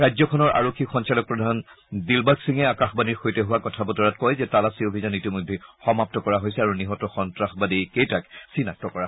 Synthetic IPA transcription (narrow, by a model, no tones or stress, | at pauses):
ɹajzɔkʰɔnɔɹʔa̰ɹokʰːixɔnsalɔk̚pɹɔdʱan | dilbaksiŋɛakaxbaniɹxojtɛɦuwakɔtʰabɔtɔɹatkɔjzɛtalasiobʱizanitimojdʱːɛxɔmap̚tɔkɔɹaɦojsɛaɹuniɦɔtɔxɔntɹaxbadikejtaksinak̚tɔkɔaɦ